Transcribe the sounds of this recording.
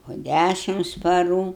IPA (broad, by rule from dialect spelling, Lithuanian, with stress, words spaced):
poː ˈdʲæʃʲɪms pɐˈruː